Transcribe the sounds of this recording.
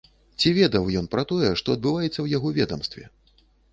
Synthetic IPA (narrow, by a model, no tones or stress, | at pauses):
t͡sʲivʲɛd̪ɐwjɔnpɾɐt̪ɔjɛʂt̪ɔɐd̪̚bɨvajɛt̪sːɐwjaɣɔvʲɛd̪ɐmst̪vʲɛ̰